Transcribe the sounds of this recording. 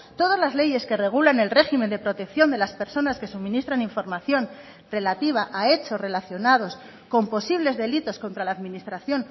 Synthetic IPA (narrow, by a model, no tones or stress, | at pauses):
t̪o̞ðazlazle̞je̞ske̞re̞ɣ̞ulane̞lre̞ximẽ̞nd̪e̞pɾo̞t̪e̞kθjo̞nd̪e̞laspe̞ɾso̞naske̞sumĩnist̪ɾaniɱfo̞ɾmaθjo̞n | re̞lat̪iβ̞aʔae̞t͡ʃo̞re̞laθjo̞nað̞o̞s | ko̞mpo̞siβle̞zðe̞lit̪o̞sko̞nt̪ɾalaːðminist̪ɾaθjo̞n